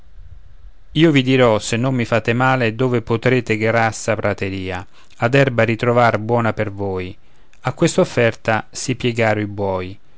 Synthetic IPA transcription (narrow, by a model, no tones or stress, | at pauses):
iːovid̪iɾɔsenːomːifaːt̪ɪmaːled̪oːvepʊt̪ɾeːt̪ɪɡɾasapɾat̪eɾiːa | ad̪ɛrbaɾit̪ɾovarbwɔːnapervoːj | akːwest̪aofːɛrt̪asipjɛɡaːɾʊibwɔːj